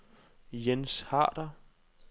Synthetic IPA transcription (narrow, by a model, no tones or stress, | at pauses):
jenshɑ̰̈ːd̥ɐ